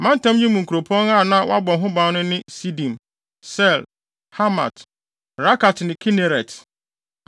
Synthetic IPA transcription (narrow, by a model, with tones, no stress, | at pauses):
mã˦n˦tã˦mɲĩ˦mũ˨ŋ̩˨kʰu˨ɾo˨pʰɔ̃˦ŋa˦˨nã˦wa˦bɔ˨ɦʊ̃˦bã˨˦nʊ̃˦nɪ̃˦si˦dĩ˨m | sɛ˦˨l | ha˦ma̰˨t | ɾa˦ka˨tnɪ̃˨kʰi˦ne˨ɾɛ˨t